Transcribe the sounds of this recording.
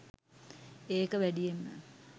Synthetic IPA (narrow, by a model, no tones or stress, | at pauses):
eːkəʋæɖijemːə̰